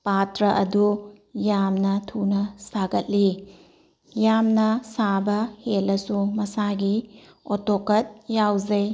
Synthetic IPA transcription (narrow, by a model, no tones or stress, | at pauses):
patɾɐʔɐdu | jamnɐtʰunɐsaɡɐt̚li | jamnɐsabɐhelːɐsumɐsaɡi | otokɐt̚jawzɐj